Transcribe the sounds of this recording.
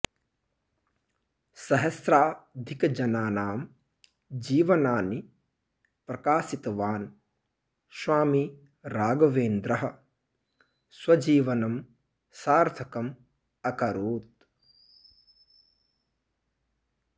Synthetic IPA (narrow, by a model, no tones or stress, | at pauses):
sɐɦɐsɾaːd̪ʱikɐd͡ʒɐnaːnaːm | d͡ʒiːʋɐnaːni | pɾɐkaːsit̪ɐʋaːn | ʃʋaːmi | ɾaːɡɐʋeːnd̪ɾɐɦɐ̆ | swɐd͡ʒiːʋɐnɐm | saːɾt̪ʰɐkɐm | ɐkɐɾuːt̪̚